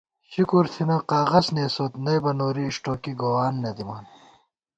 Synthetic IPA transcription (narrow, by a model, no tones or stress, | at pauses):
ɕikuɾt̪ʰinɐqaːɣɐzneːsoːt̪nɐjbɐnoːɾiʂʈoːkiɡowaːnːɐd̪imaːn